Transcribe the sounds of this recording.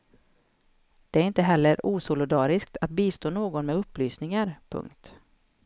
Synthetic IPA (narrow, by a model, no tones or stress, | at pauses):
d̪̥ɛæɾɪnt̪əɦɛlːəɾuːsʊlɪd̪ɑːɾɪsk̚t̪ʰat̪̚biːst̪oːnoːɡɔnmɛɵpːlyːsnɪŋaɾpʰɵ̰ŋkt̪